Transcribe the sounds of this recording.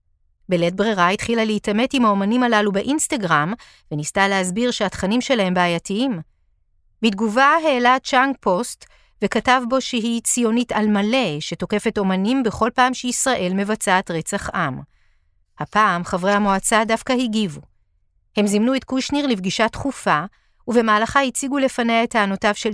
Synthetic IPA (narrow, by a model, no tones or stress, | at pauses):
belet̚bʁiʁaitχilaleitame̞timhao̞manimalalubeʔinstaɡʁam | venistalehazbiʁʃeatχanimʃe̞lahe̞mbeːjatiim | bit̚ɡuvaɦe̞ːlat͡ʃaŋɡpʰo̞st | ve̞katavbo̞ʃeɦit͡sijo̞nitalmale̞ʃe̞to̞ke̞fe̞to̞manimbe̞χo̞lpaːmʃeisʁaʔe̞lme̞vat͡saːtʁe̞t͡saχʔam | hapaːmχavʁehamoat͡sadafkahiɡivu | he̞mzimnuetkuʃniʁlivɡiʃatχufa | uve̞maːlaχahit͡siɡule̞fanejaethaːno̞tavʃe